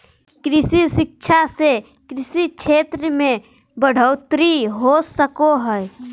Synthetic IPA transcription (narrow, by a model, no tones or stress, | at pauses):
kɾɪsisɪk̚t͡ʃʰase | kɾɪsit͡ʃʰet̪ɾəmẽ | bəɽ̤ʱəʊt̪ɾiɦosəkoɦəe